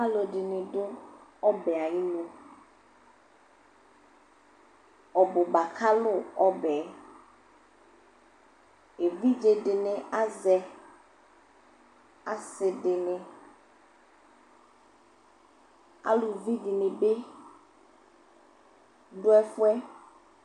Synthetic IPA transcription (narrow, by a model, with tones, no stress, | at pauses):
a˦lo˨ɖɪ˨nɪ˨ɖʊ˦ɔ˦bɛ˨a˨ji˦lo˦ | ɔ˨bo˨ba˨kʰa˦lʊ˦ɔ˦bɛ˨˦ | e˨vi˦d͡ʒe˨ɖɪ˨nẽ˨a˦zɛ˨ | a˨sɪ˨ɖɪ˨nẽ˨ | a̰˦lu˨vi˦di˨nẽ˨be˦ | ɖʊ˦ɛ˦fʊ˦ɛ˦